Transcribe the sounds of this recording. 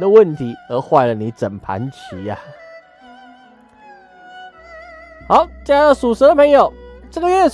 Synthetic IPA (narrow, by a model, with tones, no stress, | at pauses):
d̪ə˨wə˥˨nt̪ʰi˨˦ə˧˥xwa˥˩ɪlə˨˩ni˨˦t͡sə˨˩npʰa̰˨˦nt͡ɕʰḭ˨˦a˨ | xa˧˥ʊt͡ɕa˥˩su˨˩ʂə˧˥d̪ə˧pʰə˧˥ŋjo˨˩ʊʈ͡ʂə˥˩ɡə˧ɥɛ˥˨